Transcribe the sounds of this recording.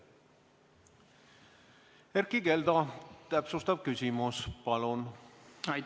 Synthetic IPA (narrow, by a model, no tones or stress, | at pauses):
eɾkike̞ld̪ɑt̪æpsust̪ɑb̥̚kysʲimuspɑlunɑ